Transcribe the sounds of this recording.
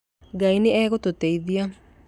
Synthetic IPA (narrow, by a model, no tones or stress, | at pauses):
ɡaineɛːɣototeiðia